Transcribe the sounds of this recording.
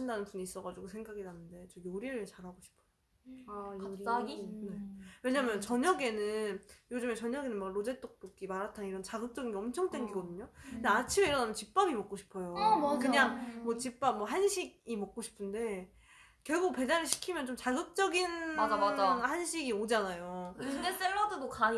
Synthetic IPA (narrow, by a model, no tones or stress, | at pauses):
indanɯnpuɲiːs͈ʌɡad͡ʑuɡosʰe̞ŋɡaɡinanɯnde̞t͡ɕomjoɾiɾɯɭt͡ɕaɾɦaɡoɕʰi̥pʰʌ̥o | ine̞we̞ɲamjʌnt͡ɕʌɲʌɡe̞nɯnjod͡ʑɯmet͡ɕʌɲʌɡe̞nɯnmakɾod͡ʑe̞t͈ok̚t͈ok͈imaɾatʰaniɾʌnt͡ɕaɡɯk̚t͡ɕ͈ʌɡinɡeʌmt͡ɕʰʌŋdwenɡiɡʌdɯɲondeat͡ɕʰime̞iɾʌnamjʌnt͡ɕip͈abimʌk͈̚oɕʰi̥pʰʌjomkɯɲaŋmwʌt͡ɕip͈amːwʌɦanɕʰiɡ̚imʌk̚k͈oɕʰi̥pʰɯnde̞ | kjʌɭɡok̚pe̞d͡ʑanɯɭɕʰi̥kʰimjʌnt͡ɕomt͡ɕaɡɯk̚t͡ɕ͈ʌɡinaaahanɕʰiɡiod͡ʑanajodes͈eɭːʌdɯdoka